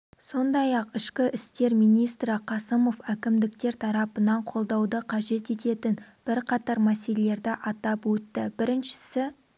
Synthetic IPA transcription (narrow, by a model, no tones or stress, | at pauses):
so̞nd̪ɑjɑqɪʃkʲɪʔɪst̪e̞ɾmijnijst̪ɾɪqʰɑsəmo̞fækʲɪmd̪ɪk̚t̪e̞ɾt̪ʰɑɾɑpənɑɴqʰo̞lˠd̪ɑwd̪əqʰɑʒe̞t̪e̞t̪e̞t̪ɪnb̥ɪɾqʰɑt̪ɑɾmæse̞lele̞ɾd̪ɪʔɑt̪ɑpwɵt̪ːɪbɪɾɪnʃɪ̥sɪ